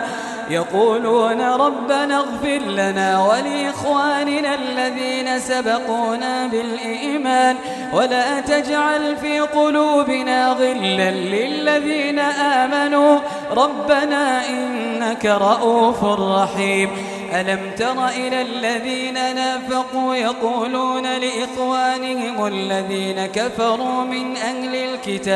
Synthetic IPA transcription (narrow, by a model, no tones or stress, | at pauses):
jɑquːluːnaɾˤɑbːanaɣfɪɾlanaːwalɪʔɪxwaːnɪnalːaðiːnasabɑquːnaːbɪlʔiːmaːn | walaːt̪ad͡ʒʕalfiːqʊluːbɪnaːðˤɪlːanlɪlːaðiːnaʔaːmanuː | ɾˤɑbːanaːʔɪnːakaɾˤɑʔuːfʊrˤːɑħiːm | ʔalamt̪ɑɾˤɑʔɪlalːaðiːnanaːfɑquːjɑquːluːnalɪʔɪxwaːnɪhɪmalːaðiːnakafɑɾˤuːmɪnʔahlɪlkɪt̪aː